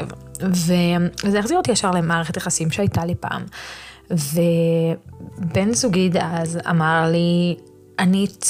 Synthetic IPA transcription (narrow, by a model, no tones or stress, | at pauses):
vvevezeaχziʁot̪ijaʃaʁlemaːʁeχetjaχasimʃeajtalipa̰ːm | ve | benzuɡid̪aza̰maʁli | ani